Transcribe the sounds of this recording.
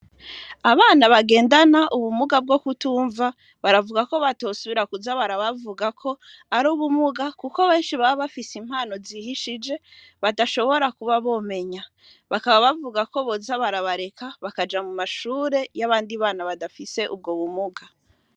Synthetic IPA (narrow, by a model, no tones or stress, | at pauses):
aβaːnaβaɡe̞ːndanaʔuβumuɡab̚ɡo̞kutuːɱva | βaɾavuɡako̞βatoːsuβiɾakuzaβaɾaβavuɡakʰo̞ | aɾuːβumuɡakuko̞βe̞ːnʃiβaβaβafisim̥haːno̞zihiʃid͡ʒe̞ | βadaʃo̞βo̞ɾakuβaβo̞ːme̞ɲa | βakaβaβavuɡako̞βo̞zaβaɾaβaɾe̞kaβakad͡ʒamumaʃuːɾe̞jaβaːndiβaːnaβadafise̞ʔṵb̚ɡoβumuɡa